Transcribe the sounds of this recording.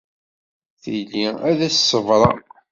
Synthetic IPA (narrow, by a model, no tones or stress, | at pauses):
θiliæðæssːəvɾˤɑ̰